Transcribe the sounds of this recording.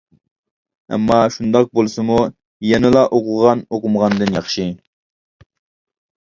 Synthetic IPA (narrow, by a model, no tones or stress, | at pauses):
ɛ̰mːɑʃund̪ɑq̚bolˠsɨmu | jɛnɨlˠɑʔoqʰʊʁɑnoqʊmʁɑnd̪ɨnjɑχʃi